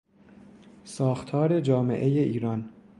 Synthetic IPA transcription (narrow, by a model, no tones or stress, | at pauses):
sɒːxt̪ʰɒːɾe̞d͡ʒɒːmḛʔe̞je̞ʔiːɾɒn